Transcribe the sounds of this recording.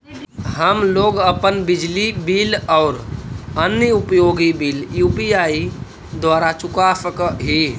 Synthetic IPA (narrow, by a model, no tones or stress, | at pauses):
ɦəmloːɡəpənbid͡ʒlibilɔːɾənjəupjoːɡibiːljupiai | d̪waːɾat͡ʃukasəkɦi